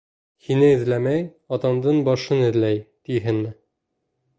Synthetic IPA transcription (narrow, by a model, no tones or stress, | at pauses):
hinɘɘ̆ðlæmæj | ɒt̪ɑmd̪ɤɴbɒʃɤnɘ̆ðlæjt̪iɦɘnmɘ